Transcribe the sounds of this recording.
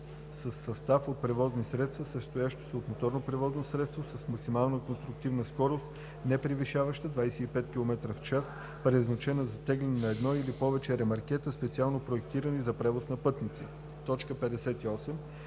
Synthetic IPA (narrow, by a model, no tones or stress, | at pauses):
səsːɐst̪afot̪̚pɾɛvɔznisɾɛt̪st̪vɐsəst̪ojaʃt̪o̥sɛot̪mot̪ɔɾnopɾɛvɔznosɾɛt̪st̪vosəsmɐksimalˠnəkonst̪ɾʊk̚t̪ivnəskɔɾost̪ | nɛpɾiviʃavəʃt̪əd̪vajsɛipɛt̪kʲilˠomɛt̪ɾəft͡ʃas | pɾɛznɐt͡ʃɛnɐzɐt̪ɛɡlɛnɛnɐɛd̪nɔilipɔvɛt͡ʃɛɾɛmɐɾk̟ʲɛt̪əspɛt̪sialˠnopɾoɛk̚t̪iɾənizɐpɾɛvosnɐpɤt̪nit̪si | t̪ɔt͡ʃkəpɛd̪ɛsɛt̪iɔsɛm